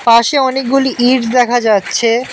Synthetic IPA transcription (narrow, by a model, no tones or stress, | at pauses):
paʃeɔnek̚ɡuliʔiɾd̪ɛkʰad͡ʑatːɕʰe